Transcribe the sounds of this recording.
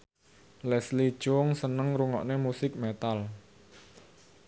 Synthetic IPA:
lɛsli̥ʒ̥ʊŋsənəŋɾuŋɔ̰ʔnemusɪk̚met̪al

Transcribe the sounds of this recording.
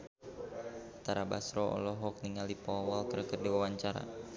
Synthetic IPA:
t̪aɾaba̰sɾɔɔ̰lɔɦɔk̚niŋalipɔwalkərkərdiwawaɲt͡ʃaɾa̰

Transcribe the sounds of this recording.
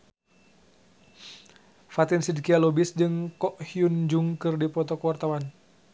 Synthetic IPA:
fat̪ɪnsidkialɔbisdɨŋkɔʔhiund͡ʒuŋkɨrdipɔt̪ɔkəwart̪awan

